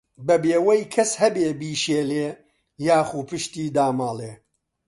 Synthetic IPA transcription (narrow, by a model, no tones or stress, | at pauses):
bɐbeːwɐjkʰɐshɐbeːbiːʃeːleː | jaːxuːpɨʃt̪iːd̪aːmaːlˠeː